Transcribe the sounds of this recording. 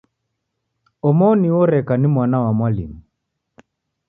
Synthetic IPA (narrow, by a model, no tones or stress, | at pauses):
ɔmɔniwɔɾɛkanimwanawamwalḭmu